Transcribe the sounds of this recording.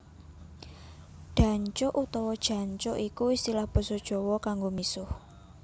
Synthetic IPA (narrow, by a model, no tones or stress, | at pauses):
ɖ̪̥ä̤ɲt͡ʃɔʔut̪ɔwɔd̥ʒ̥ä̤ɲt͡ʃɔʔikuist̪ilahb̥ə̤sɔd̥ʒ̥ɔ̤wɔkaŋɡomisʊh